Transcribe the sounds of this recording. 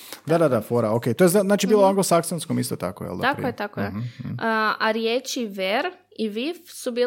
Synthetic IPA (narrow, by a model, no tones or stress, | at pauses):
d̪ad̪ad̪afoɾaokejt̪ojeaznaːt͡ʃibiːlˠoaŋɡlosaksonskomist̪ot̪a̰ko̰jɛ̰lˠd̪akkojet̪akoje | aɾjeːt͡ʃiʋeɾ | iʋifsubiː